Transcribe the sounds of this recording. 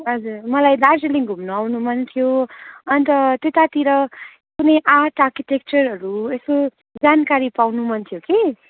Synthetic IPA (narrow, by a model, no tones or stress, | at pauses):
ɦʌd͡zurmʌlajd̪aseliŋɡʱumnuawnumʌnt̪ʰjoʌnt̪ʌt̪et̪at̪iɾʌ | kunʌjʔaʈarkiʈek̚t͡sʌrɦʌɾuesko | d͡zankaɾipawnumʌnt̪ʰijoke